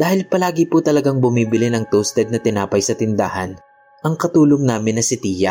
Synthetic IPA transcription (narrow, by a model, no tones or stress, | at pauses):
d̪aːhɪlpɐlaːɡɪput̪ɐlɐɡaŋbʊmiːbɪlɪnɐŋt̪ost̪ɛd̪̚nɐt̪ɪnaːpɐjsɐt̪ɪnd̪a̰ːhɐn | ʔɐŋkɐt̪uːloŋnaːmɪnːɐsɪt̪iːjɐ